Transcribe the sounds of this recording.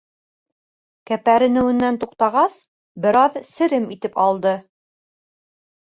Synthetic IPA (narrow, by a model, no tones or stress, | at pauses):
kæpæɾɘ̆nɘ̆wɘ̆nːænt̪uqt̪ɑʁɑs | bɘ̆ɾɑðsɘ̆ɾɘmit̪ɘpɑlˠd̪ɤ